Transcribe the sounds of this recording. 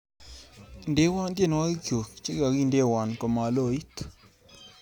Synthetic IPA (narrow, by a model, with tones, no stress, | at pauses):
nde˦wa˦nd̪e˦n˨wa˦ɡi˦kjo˨k̚t͡ʃe˦ɡa˨ɡi˦nde˦˨wa˨nkɔ˨ma˨lo˦˨i˦t̪